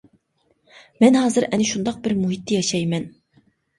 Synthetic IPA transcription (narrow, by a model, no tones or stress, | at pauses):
mɛnɦɑːzɨɾʔɛnɪʃund̪ɑq̚bɪɾmuɦit̪ʰːɪjɑʃɑjmɛn